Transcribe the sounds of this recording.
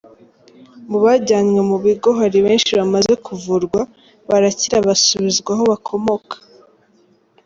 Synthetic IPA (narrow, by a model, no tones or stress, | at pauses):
muβaɟaːnŋwe̞muβiɡo̞ɦaɾiβe̞ːnʃiβamaze̞kʰuvuɾɡwa | βaɾaciɾaβasuβizɡwaɦo̞βakʰo̞mo̞kʰḁ